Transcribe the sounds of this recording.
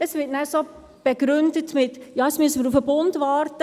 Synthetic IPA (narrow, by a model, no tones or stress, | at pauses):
əsʋɪtnæɾso | b̥eɡ̥ɾʏndətmɪtjɑːəsmyəsəməɾufəbʊndʋɑːɾtə